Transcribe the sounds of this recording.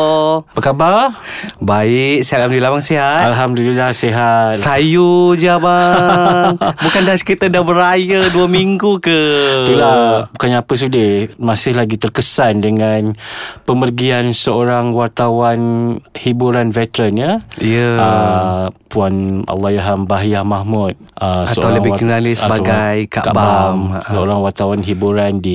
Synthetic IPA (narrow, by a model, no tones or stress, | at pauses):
pəkabarbaɪk̚salamduilabaŋsiɦat̪alɦamdulilahseɦat̪̚sajud͡ʒama | bukandaskit̪adabəɾajəduamiŋɡukət̪əlabukanɲapəs̬udəmãsɪhlaɡit̪ərkəsandəŋanpəmərɡiansəoɾaŋwart̪awanhibuɾanvɛt̪əɾənjəiəə | puana̰lːajaɦambaɦjahmahmut̪̚əsatəawləbiakənalɪsəbaɡajka̰ʔkaʔbaamsəoɾaŋwart̪awanɦibuɾandi